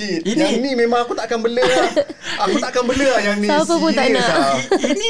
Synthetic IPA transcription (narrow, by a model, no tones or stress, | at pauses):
inãinĩmẽmãŋakut̪aʔakanbələaakut̪aʔakanbələajanĩsakəput̪anã